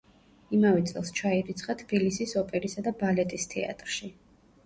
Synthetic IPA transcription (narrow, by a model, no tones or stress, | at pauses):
imavɛt̪sʼɛ̰lˠst͡ʃʰaiɾit̪sʰχat̪ʰb̥ilisisɔpʼɛɾisad̪abalɛt̪ʼist̪ʰɛ̰a̰t̪ʼɾʃi